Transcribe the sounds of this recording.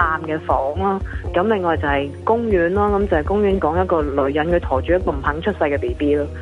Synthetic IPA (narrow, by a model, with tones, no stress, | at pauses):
aː˧mkɛː˧fɔː˨˥ŋlaː˥kɐ˨˥mlɪ˨˩ŋːɔː˨˩jt͡sɐ˨˩hɐ˨jkʊ˥ŋjyː˨˥nlaː˥kɐ˨˦mt͡sɐ˨˩hɐ˨˩jkʊ˥ŋjyː˨˥nkɔː˨˥ŋjɐ˥t̚kɔː˧lɵ˨˧˥ɥjɐ˨˥nkʰɵ˧t̪ʰɔː˨˩t͡ʃyː˨˥jɐ˥t̚kɔː˧m̩˨˩pʰɐ˨˥ŋt͡ʃʰɵ˥t̚sɐ˧jkɛː˧p̪eː˨˩piː˥laː˧